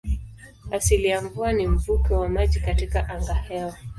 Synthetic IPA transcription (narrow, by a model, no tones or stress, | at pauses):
asilijaɱvuanim̩vukɛwamaʄikatikaʔaŋɡahɛɔ